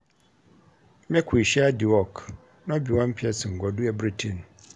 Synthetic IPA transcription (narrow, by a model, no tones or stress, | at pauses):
mɛ̃kʰʊiɕiadiwɔkʰ | nãbiwãm̩pʰiɛsɪŋ̩ɡɔduɛbɾitʰĩn